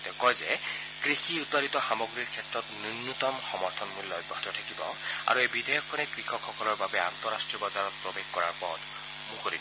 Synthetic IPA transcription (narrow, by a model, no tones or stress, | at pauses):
tɛkɔjzɛ | kɹixiutaɾit̪ɔxamoɡɹiɹkʰɛtɹɔt̪ninːut̪ɔmxɔmɔɹtʰɔnmulɔjbʱːɔɦtɔtʰakibɔ̰ | a̰ɹuejbidʱejɔkʰːɔnɛkɹixʰɔkʰxɔkɔlɔɹbabɛant̪ɔɹastɹiɔbɔzaɹɔt̚pɹobexkɔɹaɹpɔt | muxoɾi